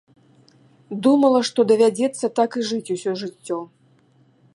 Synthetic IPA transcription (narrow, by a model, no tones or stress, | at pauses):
d̪umɐlˠɐʂt̪ɔd̪ɐvʲad͡zʲɛt̪sːɐt̪akɨʐɨt͡sʲusʲɔʐɨt͡sʲːɔ